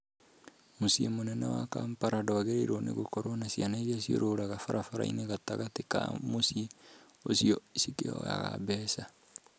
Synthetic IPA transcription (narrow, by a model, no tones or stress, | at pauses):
mosiemonɛnḛwa̰kampaɾadoaɣeɾeɾonḛɣokoɾwanasianaezasjo̰ɾoːɾaɣafaɾʔafaɾa̰ḭneɣataɣateka̰mosie | osiɔisikḛɔ̰ja̰ɣa̰bɛːsa